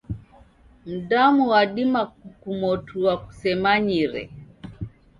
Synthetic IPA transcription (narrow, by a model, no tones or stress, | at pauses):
m̩ɗamuwaɗimakukumɔtʰuwaku̥sɛmaɲiɾɛ̰